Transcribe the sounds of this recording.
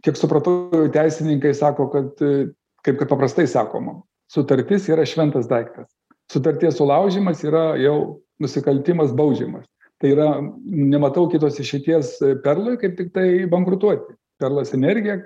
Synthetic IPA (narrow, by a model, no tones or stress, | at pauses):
kʲiɛksʊpɾɐt̪ɐjɛʊt̪ʲæɪsʲɪnʲɪŋkɐɪsɑːkoːkɐt̪ | kɐɪp̚kɐt̪̚pɐpɾɐst̪ɐɪsɑ̰ːko̰ːmɐm | sʊt̪ɐɾʲt̪ʲɪsiːɾɐʃʲʋʲɛnt̪ɐsd̪ɐɪkt̪ɐs | sʊt̪ɐɾʲt̪ʲiɛssʊlˠɐʊʒʲiːmɐsiːɾɐjɛʊ | nʊsʲɪkɐlʲt̪ʲɪmɐsbɐʊd͡ʒʲiːmɐs | t̪ɐɪiːɾɐnʲɛmɐt̪ɐʊkʲɪt̪oːsɪʃʲɛt̪ʲiɛspʲɛrlˠʊɪkɐɪp̚t̪ʲɪk̚t̪ɐɪbɐŋkɾʊt̪uɔt̪ʲɪ | pʲɛrlˠɐsɛnʲɛrʲɡʲɪjɛ